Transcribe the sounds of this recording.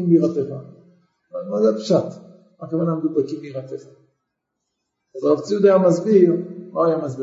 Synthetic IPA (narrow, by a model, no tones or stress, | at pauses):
imbeiʁat̪eχa | amazeapʃat̪ | makavanamed̪ubakimbeiʁat̪eχa | azʁavt͡sijud̪ajamazbiʁloajamazbi